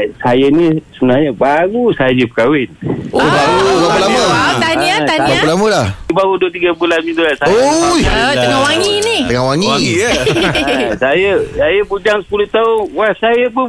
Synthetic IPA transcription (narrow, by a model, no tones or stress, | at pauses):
sajanisunahɲəbaɡusad͡ʒipəkawɪnbaɡulaalamət̪aɲaabaəlaməlahbaɣuduət̪iɡabulanmit̪ulasaojt̪əŋawaŋiniəŋawaŋiwaŋiə | sajəsajəbud͡ʒaŋsə̥puluht̪aʊnwasajəpə